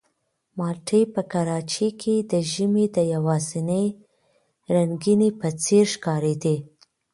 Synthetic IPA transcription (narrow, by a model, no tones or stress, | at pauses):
mɑlʈʰəjpəkaɾɑt͡ʃekʰed̪əʒəmed̪əjawɑzɪnəj | ɾaŋɡinepət͡seɾʃkɑɾed̪e